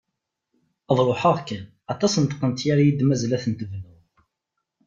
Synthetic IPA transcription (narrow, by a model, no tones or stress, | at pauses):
əðˤɾˤoħəʁkːæn | ɑt̪ˤɑsnt̪qəmt̪jaɾajid̪mæzlæθənt̪əvnu